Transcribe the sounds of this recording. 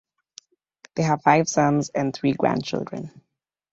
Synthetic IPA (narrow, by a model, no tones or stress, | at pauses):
ðeɪɦəvfaɪv̥sʌ̃mzɨ̃nθɹiɡɹæ̰̃n̚t͡ʃʰɪ̰lˠdɹə̰̃n